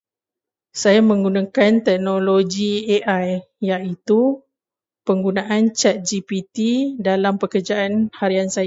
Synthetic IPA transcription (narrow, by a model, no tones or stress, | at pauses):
sajamə̃ŋɡunãkant̪ɛk̚nõloɡieʔaj | jaʔit̪u | pəŋɡunãʔant͡ʃat̪̚d͡ʒipit̪idalampəkərd͡ʒaʔanhaɾiansaja